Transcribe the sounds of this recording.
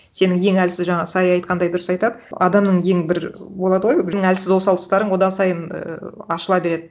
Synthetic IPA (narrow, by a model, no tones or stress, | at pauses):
se̞nɪŋje̞ŋælsɪzʒɑɴɑsɑjɑjt̪̚qɑnd̪ɑjd̪ʊɾəsɑjt̪ɑd̪əɑ̰d̪ɑmnəɴje̞ŋbɪɾbo̞lˠɑd̪əʁojnɪŋælsɪzwo̞sɑlˠt̪ʰʊst̪ɑɾəɴwo̞d̪ɑsɑjənə̰ɑʃəlˠɑbe̞ɾe̞d̪ɪ